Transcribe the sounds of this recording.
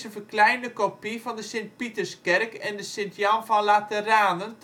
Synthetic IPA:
sənvəklɛjndəkopivɑndəsɪnt̚pitərskɛrkɛndəsɪntjɑmfɔnlatəraːnən

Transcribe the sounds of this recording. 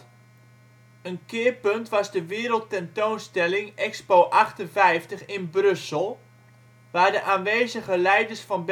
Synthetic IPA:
ənkɪːpøntʋɑzdəʋɪːɾəlˠtɛntoːnstɛlɪŋɛkspoːʔɑχtənfɛjftəχɪnbrɵsəlˠ | ʋaːɹdəʔaːnʋeːzəɣəlɛjdəɹsfɑnb

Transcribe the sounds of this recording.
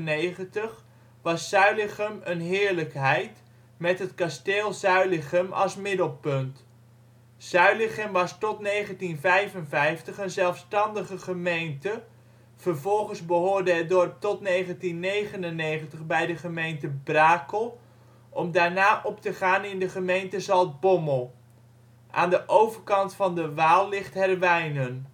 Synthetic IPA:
nejχəntəχ | ʋɑsːœɥlɪχəmənɦɪːɹləkɦɛjt | mɛtɦətkasteːlˠzœɥlɪχəmɑ̰lˠsmɪdəlˠpɵnt | sœɥlɪχəmʋɑstɔtnejχəntinvɛjvənvɛjftəχənzɛlˠfstɑndəχəχəmejntə | v̥ərvɔlˠχənzbəɦoːɹdəɦət̚dɔrp̚tɔtnejχəntinːejχənənːejχəntəχbɛjdəχəmejntəbraːkəlˠ | ʔɔmdaːɹnaːʔɔptəχaːnɪndəχəmejntəzɑlˠt̚bɔməlˠ | ʔa̰ːndəʔowvəɹkɑntfɑndəʋaːlˠlɪχtɦɛrʋɛjnən

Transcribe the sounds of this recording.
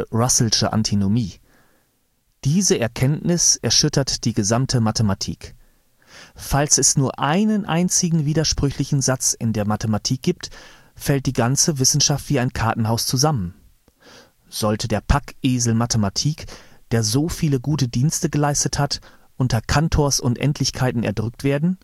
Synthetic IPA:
ʁasl̩ʃəʔa̰ntʰinomiː | d̥iːzəʔɛɐkʰɛntnɪsɛɐʃʏtʰɐtd̥iːɡəzamtʰəmatʰəmatʰḭːk | falsɛsnuːɐʔaɪnənʔa̰ɪnt͡sɪɡŋ̩viːdɐʃpʁ̥ʏçlɪçn̩zat͡sɪndeːɐmatəmatʰiːk̚ɡ̥iːp̚t | fɛlt̚d̥iːɡant͡səvɪsn̩ʃaftv̥iːaɪnkʰaɐtn̩ɦaʊst͡suzamən | z̥ɔltʰədeːɐpʰakʔeːzl̩matʰəmatʰiːkd̥eːɐzoːfiːləɡuːtədiːnstəɡəlaɪstəthat | ʔʊntɐkʰantʰoːɐsʊntʔɛ̰ntʰlɪçkʰaɪtn̩ɛ̰ɐdʁʏk̚tv̥eːɐdn̩

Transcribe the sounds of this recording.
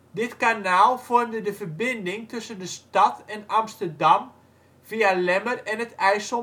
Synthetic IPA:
dɪtkanaːlˠfʊɹmdədəvərbɪndɪŋtɵsəndəstɑtʰɛnamstərdɑm | v̥ialɛmərɛnətɛjsɔ

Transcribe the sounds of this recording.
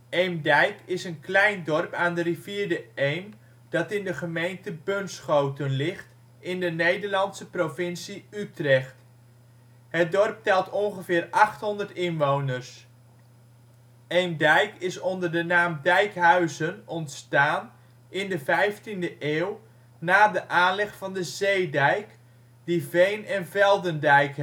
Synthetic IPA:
ejmdɛjkɪsənklɛjndɔrpaːndəriviːɹdəejm | d̥ɑtɪndəχəmejntəbønsχowtənlɪχt | ɪndənejdəɹlɑntsəprovɪnsiytrɛχt | ɦət̚dɔrp̚tɛlˠtʰɔŋχəvɪːrɑχtɦɔndərtɪnʋownəɹs | endɛjkɪsɔndərdənaːmdɛjkɦœɥzənɔntstaːn | ɪndəvɛjftindəʔeːw | naːdəʔaːnlɛχfɑndəzejdɛjk | divejnɛnvɛlˠdəndɛjk

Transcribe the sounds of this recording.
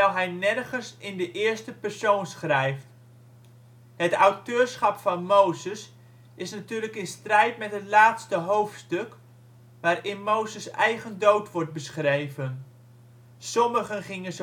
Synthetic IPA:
ɛlˠɦɛjnɛrɣənsɪndəʔɪːrstəpɛrsoːnsχrɛjft | hətawtøːsχɑpfɑnmowzəs | ɪsnatyːrləkɪnstrɛjtmɛtɦətlaːtstəɦowftstøk | ʋaːrɪnmowzəsɛjɣəndowtʋɔrt̚bəsχrejvən | sɔməχənχɪŋənz

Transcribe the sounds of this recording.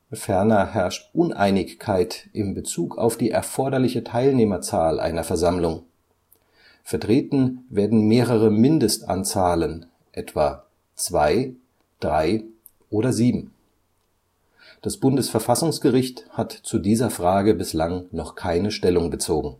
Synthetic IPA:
fɛɐnɐhɛɐʃtʔʊnʔa̰ɪnɪçkʰːaɪtʔɪmbət͡suːkʰa̰ʊfd̥iːʔɛɐfɔɐdɐlɪçətʰaɪlneːmɐt͡saːlʔa̰ɪnɐfɛɐzamlʊŋ | fɛɐtʁ̥eːtn̩veːɐdn̩meːʁəʁəmɪndəstʔa̰nt͡saːlən | ʔɛtv̥aː | t͡sv̥aɪ | d̥ʁaɪ | ʔoːɾɐziːbm̩ | d̥asb̥ʊndəsfɛɐfasʊŋsɡ̥əʁɪçthatt͡sudiːzɐfʁ̥aːɡəbɪslaŋnɔχkʰaɪnəʃtɛlʊŋbət͡soːɡŋ̩

